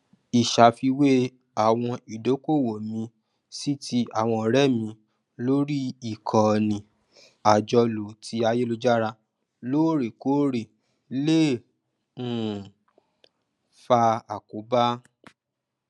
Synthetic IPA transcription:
i˨ʃa˨fi˧we˦ | a˨w̃ɔ̃˧i˨do˨˦ko˦˨wo˨mĩ˧ | si˦ti˧a˦˨w̃ɔ̃˧˨ɾɛ˦mĩ˧ | lo˦ɾi˦i˨kʰɔ˨nĩ˨ | a˨d͡ʒɔ˧lo˨tʰi˨˧˦a˧je˦lo˧d͡ʒa˦ɾa˧ | lo˦ɾe˨ko˨˦ɾe˨ | le˦˨˦ | fa˧a˨ko˨˦ba˦

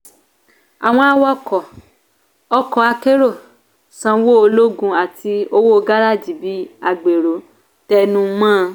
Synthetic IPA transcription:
a˨w̃ɔ̃˧a˧wɔ˧kɔ˨ | ɔ˧kɔ˨a˧ke˦ɾo˦˨ | sã˧wo˦o˧lo˦ɡũ˧a˨ti˧o˧wo˦o˧ɡa˦ɾa˦˨d͡ʒi˨˦bi˨˦a˧ɡ͡be˨ɾo˨˦ | tɛ˧nũ˧˦mãː˦˧

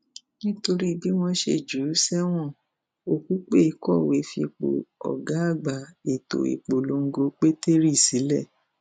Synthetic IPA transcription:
nĩ˦to˧ɾi˦˧bi˦w̃ɔ̃˧ʃḛ˨d͡ʒu˨˦sɛ˦w̃ɔ̃˦˨ | o˨ku˦k͡pe˦i˧˨kɔ˦˨we˨˦fi˧k͡po̰˨ɔ̰˨ɡa˨˦a˦˨ɡ͡ba˨e˨to̰˨ḭ˨k͡po˨lo˨˧ŋ̩˦ɡo˧k͡pe˦te˦ɾi˦˨si˨˦lɛ˦˨

